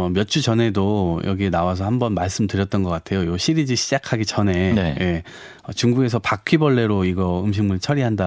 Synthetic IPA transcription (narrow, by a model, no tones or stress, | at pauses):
ʌmjʌt̚t͡ɕ͈ut͡ɕʌnɦe̞dojʌɡienawas̬ʰʌhambʌnmaɭs͈ɯmtɯɾjʌt̚t͈ʌnɡʌk͈atʰe̞jojoɕʰiɾid͡ʑiɕʰid͡ʑakʰaɡit͡ɕʌne̞nje̞ | ʌt͡ɕuŋɡuɡe̞s̬ʰʌpakʰibʌɭːe̞ɾoiɡʌɯmɕ̬ʰiŋmɯɭt͡ɕʰʌɾiɦanda